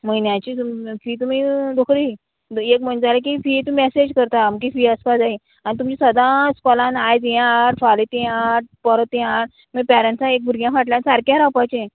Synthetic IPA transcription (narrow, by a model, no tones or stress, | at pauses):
məinjãt͡ɕifiːt̪̬um̤iːd̪okʰɾi | ekm̤əɳd͡zalek̬ifit̪uɛsed͡ʑkəɾt̪aməkifiːəspasaɦe | anit̪̬umt͡ɕisəd̪ãspɔlãnajt̪ijãɽfalet̪ĩaʈ̚pəɾət̪iaɾ | mipɛɾə̃nʈsãek̚bʱuɾɡjãkaʈljãnsaɾkjaɾawpat͡ɕe